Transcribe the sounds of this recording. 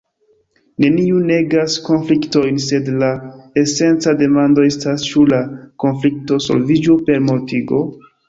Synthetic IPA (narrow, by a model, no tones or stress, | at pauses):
ne̞niune̞ɡasko̞nflikto̞jnse̞dlaese̞nt͡sade̞mando̞estast͡ʃulako̞nflik̚toso̞̰lvid͡ʒupe̞ɾmo̞tiɡo̞